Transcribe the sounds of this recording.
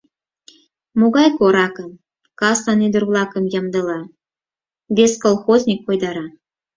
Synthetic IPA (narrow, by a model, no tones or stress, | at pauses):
moɣɑjkoɾɑkəm | kɑsɑnid̪uɾβlˠɑkə̆mjɑmd̪ɤ̆lɑ | bʲeskolˠxozʲnʲikːojd̪ɑɾɑ